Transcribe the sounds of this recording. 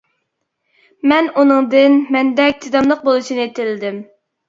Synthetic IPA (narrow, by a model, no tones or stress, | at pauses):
mɛnunɨŋd̪ɨnmɛnd̪ɛk̚ʲt̪ʰɪd̪ɑmlˠəq̚bolˠuʃinɨet̪ʰɪlɪd̪ɪm